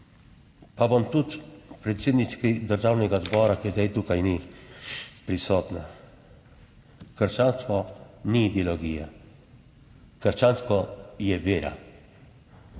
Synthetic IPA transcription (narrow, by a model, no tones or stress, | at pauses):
pabɔnt̪ut̪pɾɛt̪sʲjeːd̪nit͡ʃkid̪əɾʒaːwnɛɡazbɔːɾakizd̪ɛjt̪ukajni | pɾisɔːt̪na | kəɾt͡ʃaːnst̪ʋɔniːd̪ɛlɔɡiːja | kəɾʃt͡ʃaːnskɔjɛʋeːɾa̰